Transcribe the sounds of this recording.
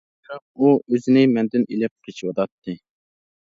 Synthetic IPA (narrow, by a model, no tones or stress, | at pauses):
ɾɑ | uøzɪnɪmɛnd̪ɪnelɪp̚qʰet͡ʃʰiwɑt̪ɑt̪ʰːɨ